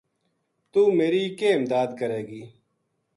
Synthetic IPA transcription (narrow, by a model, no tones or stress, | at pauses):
t̪uːmeːɾiːkeːɪmd̪aːd̪kəɾeːɡiː